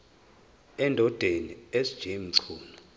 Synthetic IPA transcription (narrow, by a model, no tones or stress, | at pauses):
ɛndʱɔd̥ʱeniesd̥ʒ̥ʱim̩ǀʰuːnɔ